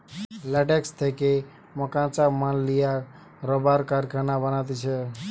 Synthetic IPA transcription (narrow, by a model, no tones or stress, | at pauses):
laʈekst̪ʰeke | mɔkãt͡ʃamanlija | ɾɔbaɾkaɾkʰanabənat̪it͡ʃʰe